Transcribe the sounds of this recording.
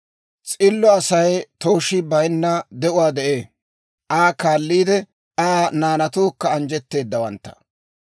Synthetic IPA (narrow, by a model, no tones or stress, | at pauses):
t͡sʼɪlːɔɐsɐjt̪oːʃɪbɐjnːɐd̪ɛʔʊwaːd̪ɛʔeː | ʔaːkaːlːiːd̪ɛ | aːnaːnɐt̪oːkːɐːnd͡ʒɛt̪ːe̞ːd̪ːɐwɐ̰nt̪ːɐ̥̰